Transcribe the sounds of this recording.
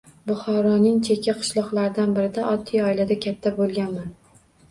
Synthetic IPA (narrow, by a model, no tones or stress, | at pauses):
bʊχɒɾɒnɪŋt͡ʃʰekʲʰaqʰɨ̥ʃlˠɒqlˠaɾɪd̪anbɪɾɪd̪aʔɒt̪ʰːijɒɪlad̪akʲʰat̪ʰːabolˠɡʲanman